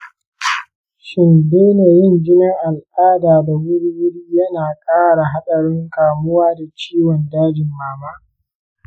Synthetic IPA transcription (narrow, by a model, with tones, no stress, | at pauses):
ʃɪ˨nbeː˦neː˨jɪ˦ŋd͡ʒɪ˦nɐ˦ŋʔa˨lʔaː˦daː˨da˨wʊ˦ɽi˦wʊ˦ɽiː˦jɐ˦naː˨kʼaː˦ɽa˨ɦa˦ɗɐ˨ɽɪ˦ŋkaː˨mʊ˦waː˦da˨t͡ʃiː˦wɔ˨ndaː˦dɪ˨mːaː˦maː˦